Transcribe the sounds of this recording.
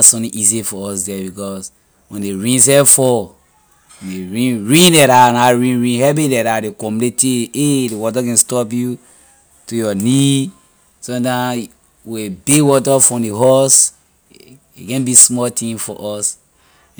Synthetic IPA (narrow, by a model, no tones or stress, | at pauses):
sɔ̃tĩʔizifɔɔs̬dɛbikɔs | wɛ̃ndeɹĩns̬ɛfɔ | eɹĩnɹĩndɛɾanaɹĩnɹĩnɦɛbedɛɾadekɔmleteedewɔt̬aɡɛ̃stɔpju | tujɔni | sɔ̃tã | webewɔt̬afɹɔ̃deɦɔs | ḛɡɛ̃nbismɔtĩmfɔ̰ʔɔs